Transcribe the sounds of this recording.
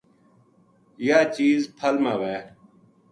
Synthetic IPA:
jaːt͡ʃiːzpʰəlmaːʋeː

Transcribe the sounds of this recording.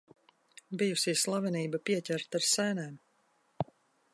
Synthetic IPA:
bijusiːslˠavɛniːbapiɛcʲɛɾt̪aɾsæːnɛːm

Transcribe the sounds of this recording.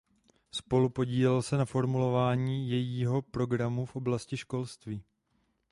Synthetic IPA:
spo̞lupo̞ɟiːlɛlsɛnafo̞ɾmulo̞vaːɲiːjɛjiːɦo̞pɾo̞ɡɾamufʔoblascɪʃko̞lst̪viː

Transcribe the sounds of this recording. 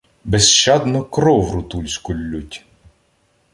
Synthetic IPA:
besʃt͡ʃɑd̪nɔkɾɔwɾʊt̪ulʲsʲkʊlʲːutʲ

